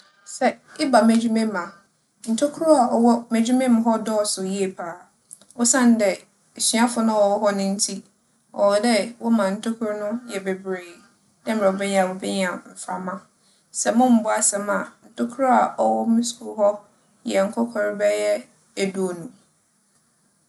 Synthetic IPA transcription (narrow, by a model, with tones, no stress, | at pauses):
sɛ˦ɪ˦ba˨mæ˨d͡ʑᶣu˦mẽ˦mã˨ | n̩˨tʰʊ˦kʰʊ˦ɾʊ˦a˨ɔ˨wɔ˦mæ˨d͡ʑu˦mẽ˦m˨˦ɦɔ˦dɔː˦˨sʊ˨ji˦e˨pʰaː˨ | ɔ˦sã˦˨n̩˨˦dɛ˨ | ɕi˨˦a˦fʊ˨nã˦wɔ˨wɔ˦ɦɔ˦nʊ̃˦n̩˦tʰi˦ | ɔ̰˨dɛ˦wɔ˦mã˨n̩˨tʰʊ˦kʰʊ˦ɾnʊ̃˦jɛ˨be˨bɾeː˨ | dɛ̃˦m̩˨ɾɛ˨ɔ˨bɛ˦ɲ˦ã˨wɔ˨bɛ˦ɲ˦ã˨m̩˨fa˨mã˦ | sɛ˨mʊ̃˦m̩˦bʊ˦a˦sɛ˨mã˨n̩˨tʰʊ˦kʰʊ˦ɾʊ˦a˨ʔɔ˦wɔ˦mɪ̃˦sku˨˦ɦɔ˦ | jɛ˨ŋ̩˨kʰɔ˦kʰɔ˨ɾbɛ˦jɛ˦ | æ˨du˦o˨nũ˨